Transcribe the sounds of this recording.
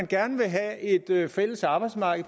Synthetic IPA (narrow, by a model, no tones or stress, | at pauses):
nɡ̥æɐnəʋe̝ɦɛe̝d̥fel̰əsɑ̈ːb̥ɑ̈ɪd̥smɑ̈ːɡ̥ð̩ˠ